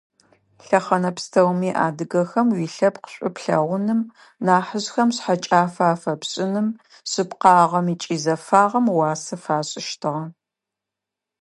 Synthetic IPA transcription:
ɬɐχɐnɐpstʰɐwmiːʔa̰ːdɨɣɐxɐmwiːɬɐpqə̥ɕʷʼʊpɬɐ̰ʁʷʊnɨm | naːħəʑxɐmɕħat͡ʃʼaːfaːfɐpɕʼɪnɨm | ɕɨpqɑːʁɐmiːt͡ʃʼiːzɐfaːʁɐmwɑːsɐfaːɕʼɪʃtʰɨʁɐ

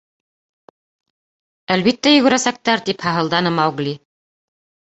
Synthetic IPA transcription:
ælβit̪ːæjɵ̆ɣɵ̆ɾæsæk̚t̪æɾt̪iphɑɦɤ̆lˠd̪ɑnɤmɑwɡlʲi

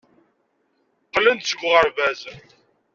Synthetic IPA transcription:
qːlːənt̪səɡʷːʁəɾvæz

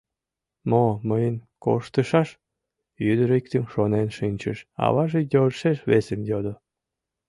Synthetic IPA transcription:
moməjənko̰ʃt̪əʃɑʃ | jyd̪əɾikt̪əmʃonenʃinʲt͡ɕə̰ʃɑ̰βɑʒejolʃeʃβesemjod̪o

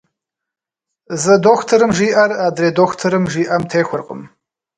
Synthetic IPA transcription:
zɨdoːxtʰɐɾɨmʒiːʔɐraːdɾeːdoːxʷtʰɐɾɨmʒiːʔɐmtʰeːxʷʊrqʼə̰m

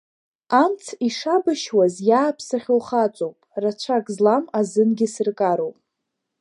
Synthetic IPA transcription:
amt͡sʰiʂabaʃwazjaːpʰsaχʲowχat͡ʃʷʼowpʼrat͡ʃʷʰakʼzlamazɨnɡʲɪsɨrkʼaɾowpʼ

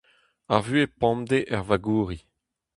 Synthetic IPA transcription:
aʁvyepɔ̃md̪eʔɛʁvaɡuːʁi

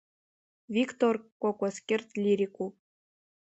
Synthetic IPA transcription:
vʲikt̪orkokoskʲert̪lʲiɾʲiku

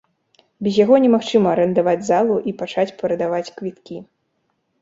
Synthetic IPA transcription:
bʲɛzʲjaɣɔnʲɛmaxt͡ʂɨmɐːɾɐnd̪avad͡zʲzalˠuʔipat͡ʂat͡sʲpɐɾɐd̪avat͡sʲkvʲit̪kʲi

